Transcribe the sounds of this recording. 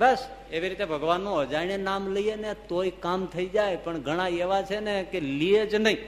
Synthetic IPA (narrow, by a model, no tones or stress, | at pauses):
bəs | eʋiɾit̪ebʱəɡʋanːũəd͡ʒajnenamləienet̪oikamt̪ʰəid͡ʒajpəɳɡʱəɽ̃ãeʋat͡ʃʰenekelied͡ʒnəɦĩ